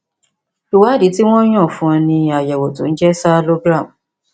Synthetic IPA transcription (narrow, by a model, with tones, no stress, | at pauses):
lu˨wa˨˦di˨˦ti˦w̃ɔ̃˦j̃ɔ̃˦˨fũ˦ɔ˧nĩ˧a˨jɛ˨wo˨tũ˨˦n̩˦d͡ʒɛ˦sa˦lo˦ɡɾa˦˨m˨